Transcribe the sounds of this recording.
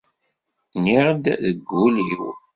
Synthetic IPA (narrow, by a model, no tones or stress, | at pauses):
niɾˤd̪ðəɡːuliw